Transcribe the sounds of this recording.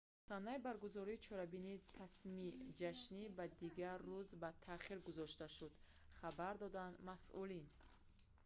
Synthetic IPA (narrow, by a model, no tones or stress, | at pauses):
sanːaibaɾɡuzɔɾiːt͡ʃʰɔɾabinit̪ʰasmid͡ʒaʃnibad̪iɡaɾːuzbat̪ʰaχiɾɡuzɔʃt̪aʃud̪ | χabaɾd̪ɔd̪and̪masʔulin